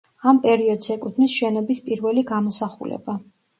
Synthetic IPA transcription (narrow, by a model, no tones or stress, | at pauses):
ampʼɛɾiɔd̪zɛkʼut̪ʰmisʃɛnɔbispʼiɾvɛliɡamɔsaχṵlɛ̰b̥a